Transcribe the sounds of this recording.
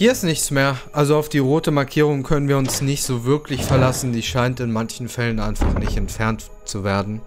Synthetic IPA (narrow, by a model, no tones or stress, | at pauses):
hiːɐɪstnɪçt͡smeːɐʔalzoaʊfd̥iːʁoːtəmaɐkʰiːʁ̞ʊŋkʰœnənviːɐʊnsnɪçtz̥oːvɪɐklɪçfɛɐlasn̩diːʃaɪntɪnmançn̩fɛlənʔaɪnfaχnɪçtɛntfɛɐnt | t͡suveːɐdn̩